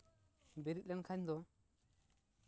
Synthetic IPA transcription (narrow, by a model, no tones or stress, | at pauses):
beɾilenkʰaɲdo